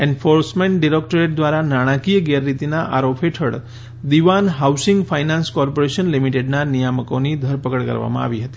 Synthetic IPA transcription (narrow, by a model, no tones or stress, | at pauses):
ɛnfoɾsmẽɳʈɖiɾek̚ʈɾeʈ̚d̪ʋaɾanaɽ̃ãkijəɡɛɾːit̪inaʔaɾopʰɦeʈʰə̰ɭ | d̪iʋanɦawsɪŋɡfajnãnskɔɾpoɾeʃənlimiʈeɖnanijaməkonid̪ʱəɾpəkəɭkə̰ɾʋa̰mã̰a̰ʋiɦət̪i̥